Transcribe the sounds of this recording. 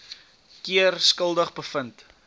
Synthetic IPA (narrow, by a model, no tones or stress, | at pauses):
kiərskəlˠdəχbəfənt